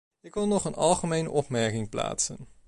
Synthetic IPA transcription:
ɪkʋɪlˠnɔχənɑ̰lˠχəmejnə̰ʔɔpmɛɹkɪŋpla̰ːtsən

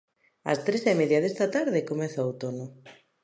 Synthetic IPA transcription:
ɐ̰st̪ɾesemeðjaðest̪at̪aɾðekomeθowt̪onʊ

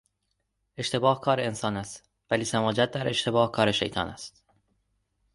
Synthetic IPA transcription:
e̞ʃt̪e̞bɒːhkʰɒːɾeensɒːnæst̪ | væliːsæmɒːd͡ʒæt̪̚d̪æɾʔe̞ʃt̪ʰe̞bɒːhkʰɒːɾe̞ʃḛjt̪ʰɒ̰ːnæ̰st̪

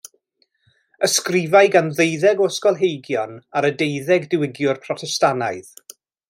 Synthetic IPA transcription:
əskrɪvaɨɡanðejðɛɡɔskɔlˠɦejɡjɔnaɾədejðɛɡdɪwɪɡjʊrpʰrɔtʰɛstanaɨð

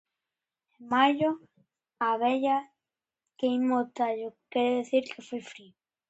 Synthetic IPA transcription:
emaʝo | aβeʎa | keimot̪aʎokeɾeðeθiɾkʰefojfɾio

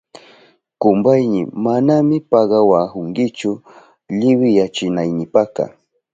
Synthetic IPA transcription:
kʊmbajnɪ̰manamɪpɑɢɑwahʊŋkɪt͡ʃʊ | ʎɪwɪjat͡ʃɪnajnɪpakɑ̰

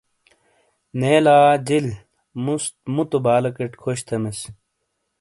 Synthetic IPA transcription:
neːlaːd͡ʑil | must̪mut̪obaːlɐkeʈkʰoɕt̪ʰɐmes

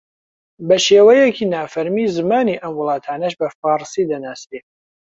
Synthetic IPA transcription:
bɐʃeːwɛjɛkʰinaːfɐɾmiːzɨmaːniːʔɐmwʊlˠɑːt̪ʰaːnɐʃbɐfɑːɾsid̪ɐnaːst̪e

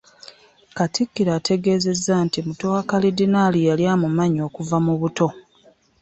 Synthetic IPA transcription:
katʰikːiɾaːtʰe̞ɡe̞ːze̞zːantimutoakalidinaːlijaljaːmumaɲo̞ːkuvamuβuto̞

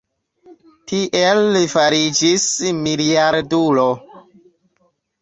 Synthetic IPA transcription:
tiʔelːifaɾid͡ʒismiliaɾdulo

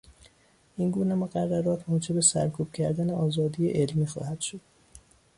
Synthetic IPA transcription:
ʔinɡuːnemoɣærːæɾɒːt̪ʰmoːd͡ʒe̞be̞sæ̰ɾkʰuːb̥̚cʰæɾd̪æne̞ʔɒːzɒːd̪iːjḛʔelmiːxɒ̰ːhæd̪̥ʃo̞d̪̥

